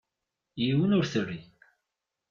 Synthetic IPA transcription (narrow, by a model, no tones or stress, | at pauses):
jiwənʊɾθərːi